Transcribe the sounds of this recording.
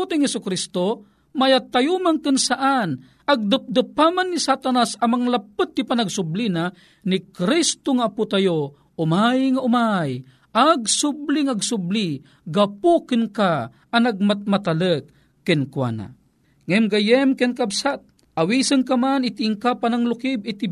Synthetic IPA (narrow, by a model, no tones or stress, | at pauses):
ut̪ɪŋhɛsʊkɾist̪o | majat̪ajumankɨnsaʔan | aɡ̚d̪əp̚d̪əpamanːisat̪anasɐmaŋlapɨt̪̚ːipanaɡsʊblina | nikɾist̪oŋaːput̪ajo | ʊmajŋaʊmaj | ʔaɡsubliŋaɡsʊbli | ɡapukɨnkaː | naɡ̚mat̪̚mat̪alək̚ | kːɪnkwa̰na̰ | ŋɛmɡajɛmkɛnkabsat̪̚ | ʔawisəŋkamanit̪iʔiŋkapanaŋlʊkibit̪i